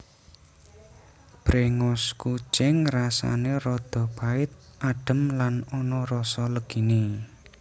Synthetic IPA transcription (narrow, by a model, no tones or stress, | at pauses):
b̥ɾeŋʊsku̥t͡ʃɪŋrasa̰neɾɔd̪̥ɔ̤b̥aɪt̪̚ʔaɖ̥ə̤mlanɔnɔrɔsɔləɡ̥i̤ni